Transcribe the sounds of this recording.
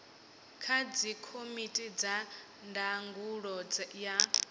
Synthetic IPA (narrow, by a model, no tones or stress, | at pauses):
kʰad͡zikʰomitʼid͡za | ndaŋɡuɺɔd͡zja